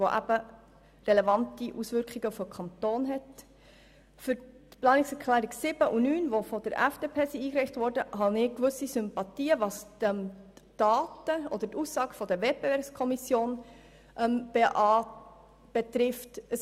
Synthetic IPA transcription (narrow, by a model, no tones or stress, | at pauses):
voʔæ̰b̥ə | rɛlɛvɑntiʔusʋʏɾkχiɡəfɔkʰɑntoːnɦɛt | fʏɾtplɑːnɪksɛɾkʰlæːɾiksɪb̥əʔunyːnʋofɔdəɾæ̰fd̥eːpʰeːsiiːkɾeɪχtvɔːɾdəɦɑnɪːkʋʏsisʏmpɑtiːəvɑsəmd̥ɑːtəʔɔd̥̪əɾtusɑːɡ̥əfɔd̪əvɛt̚b̥evɛːɾpskʰɔmisjoːn | ʔɛmb̥eʔɑ | b̥etɾɪftə